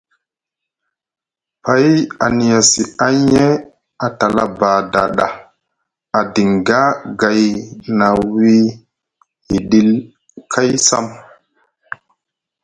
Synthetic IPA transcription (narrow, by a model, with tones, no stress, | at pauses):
pa˦ja˨ni˨ja˨si˨a˦ɲe˦ | a˨ta˨la̰˦baː˨da̰˨ɗa˨ | a˨di˨ŋɡa˦ɡa˨jna˨wi˦ | hi˨ɗi˦l | kʰa˦jsa̰˦m